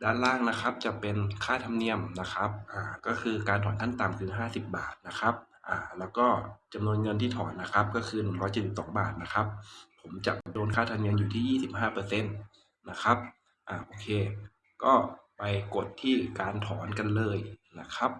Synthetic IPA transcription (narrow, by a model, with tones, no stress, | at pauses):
daː˧˨nlaː˥˩ŋna˦˥kʰa˦˥p̚t͡ɕa˨˩pe˧nkʰaː˥˩t̪ʰa˧mni˧əmna˦˥kʰa˦˥p̚ʔaː˨˩kɔː˥˩kʰɯː˧kaː˧nt̪ʰɔː˩˦nt̪ʰa˥˩nt̪a˨˩mkʰɯː˧ɦaː˥˩si˨˩p̚ba̰ː˨˩t̪̚na˦˥kʰa˦˥p̚ | ʔaː˨˩lɛː˦˥wkɔː˥˩t͡ɕa˧mnu˧ənŋɤ˧nt̪ʰiː˥˩t̪ʰɔ̰ː˩˦nːa˦˥kʰa˦˥p̚kɔː˥˩kʰɯː˧nɯ˨˩ŋɾɔː˦˥jt͡ɕe˨˩si˨˩p̚sɔ̰ː˩˦ŋba̰ː˨˩t̪̚na˦˥kʰa˦˥p̚ʰː | o˩˦mt͡ɕa̰˨˩ʔdoː˧nkʰaː˥˩t̪ʰa˧mni˧əmjuː˨˩t̪ʰiː˥˩jiː˥˩si˨˩p̚haː˥˩pɤː˧se˧˥˩nː | a˦˥kʰa˦˥p̚ | ʔaː˨˩ʔoː˧kʰeː˧ | kɔː˥˩pa˧jko˨˩t̪ʰːiː˥˩kaː˧nt̪ʰɔː˩˦nka˧nlɤː˧jna˦˥kʰa˦˥p̚